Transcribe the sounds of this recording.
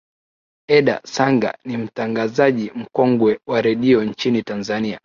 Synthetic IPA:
ɛɗa̰saŋɡa̰nim̩taŋɡazaʄim̩kɔŋɡwɛwaɾɛɗiɔɲt͡ʃinitanzania

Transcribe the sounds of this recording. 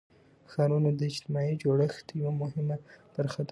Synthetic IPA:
xɑɾunod̪əɪd͡ʒt̪ɪmɑjid͡ʒoɽəxt̪jiwamʊhɪmapəɾxat̪

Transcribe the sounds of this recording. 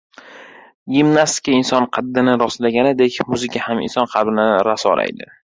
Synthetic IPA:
ɡimnast̪ɪ̥kʲaɪnsɒnqʰɑd̪ːɪnɪɾɒslaɡʲanɪd̪ekʲmʊzɪkʰʲahamɪ̰nsɒnqʰɑɾbɪnɪɾasɒ̰la̰jd̪ɪ

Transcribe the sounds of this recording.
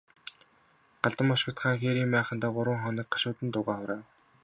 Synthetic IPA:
ɢ̥aɮt̪ə̆mɔʃɪ̆kt̪χaːŋxeːɾiːmpæːχə̆nt̪æːɢʊɾwə̆ŋχɔnĭːk̚ɢḁʃʊːt̪ɘ̆nt̪ʊːʁaːχʊɾaː

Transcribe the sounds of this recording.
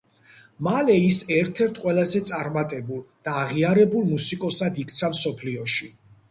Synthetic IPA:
malɛisɛɾt̪ʰɛɾt̪ʰqʼwɛlˠazɛt̪sʼaɾmat̪ʼɛbulˠd̪̥aːʁiaɾɛbulˠmusikʼɔsad̪ik̚ʰt̪sʰamsɔpʰliɔʃi

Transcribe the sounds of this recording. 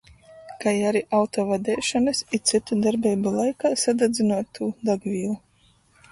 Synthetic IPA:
kajaɾiʔawt̪ɔːvad̪ɛːʃanɨsit̪sit̪ud̪aɾbʲɛjbulˠajkaːsad̪ad̪zinuɔt̪ːuːd̪aɡvʲiːlˠu

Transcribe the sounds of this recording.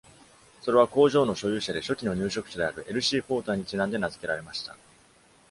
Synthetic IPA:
so̞ɾe̞βako̞ːʑo̞ːno̞ɕo̞jɯ̟ːɕad̪e̞ɕo̞kʲino̞ɲ̟ɨːɕo̞kɯ̟̥t͡ɕod̪e̞aɾɯ̟ʔe̞ɾɯ̟ɕiːɸo̞ːt̪aɲ̟it͡ɕinãnd̪e̞nazɨ̥ke̞ɾaɾe̞maɕi̥t̪a̰

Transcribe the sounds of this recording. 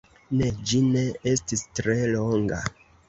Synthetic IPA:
ne̞d͡ʒine̞e̞stistɾe̞loŋɡa̰

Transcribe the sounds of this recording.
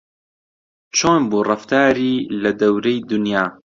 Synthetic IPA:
t͡ʃʰoːnbuːrɑft̪ʰaːɾiːlɐd̪ɐwɾejd̪ʊnjaː

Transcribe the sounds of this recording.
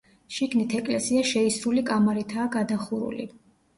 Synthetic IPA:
ʃiɡnit̪ʰɛkʼlɛsiaʃɛisɾulikʼamaɾit̪ʰaːɡad̪aχuɾṵlḭ

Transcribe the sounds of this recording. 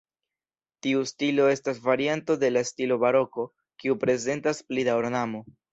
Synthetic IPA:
tiustilo̞e̞stasvaɾianto̞de̞lastilo̞βaɾo̞ko̞ | kiupɾe̞ze̞ntasplidaoɾnamo̞

